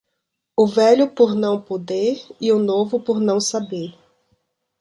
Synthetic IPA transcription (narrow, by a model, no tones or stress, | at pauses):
ʊvɛʎʊpoɾnɐ̃w̃pod̪eɾɪʊnovʊpoɾnɐ̃w̃sabeɾ